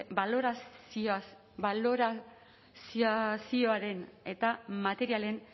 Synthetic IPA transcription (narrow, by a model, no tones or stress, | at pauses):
baloɾa | loɾa | ssio̞aɾe̞ne̞t̪amat̪e̞ɾiale̞n